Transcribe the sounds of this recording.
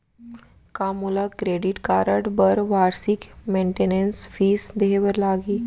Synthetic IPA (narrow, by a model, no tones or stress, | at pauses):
kamulakɾeɖiʈkaɾəʈbəɾʋaɾsikmeɳʈenensfiːsd̪eɦeʋəɾlaɡiː